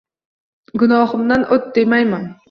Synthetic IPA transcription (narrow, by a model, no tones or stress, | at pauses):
ɡʊnɒhɨmd̪anʔot̪̚d̪emajman